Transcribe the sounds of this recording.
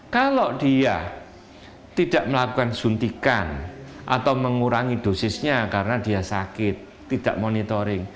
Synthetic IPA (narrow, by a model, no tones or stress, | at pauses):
kaloɖ̥ia | t̪id̥aʔməlakukansunt̪ikanʔa̰t̪awməŋuɾaŋid̪̥o̤sɪsɲakaɾənad̥i̤asakɪt̪ːid̥a̰ʔmonit̪oɾɪŋ